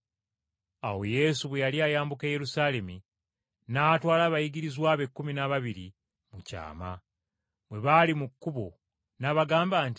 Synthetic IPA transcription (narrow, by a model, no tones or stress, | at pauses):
awo̞je̞suβwe̞jaliajaːmbuke̞ːje̞ɾusaːle̞mi | naːtwaːlaːβajiɡiɾizwaːβe̞kːuminaβaβiɾḭ | muca̰ːma̰ | βwe̞βalimukːuβo̞̰ | naβaɡaːmbaːnti